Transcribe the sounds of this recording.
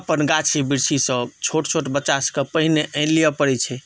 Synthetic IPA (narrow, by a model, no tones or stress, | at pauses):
pənɡat͡ʃʰibiɾsʰisə̃t͡ʃʰoʈt͡ʃʰoʈbət͡ʃaskəpəɦineʔənlijəpəɽɛt͡ʃʰɛ